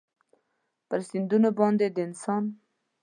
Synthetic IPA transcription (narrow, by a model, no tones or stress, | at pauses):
pəɾsɪnd̪unobɑnd̪ed̪əɪnsɑn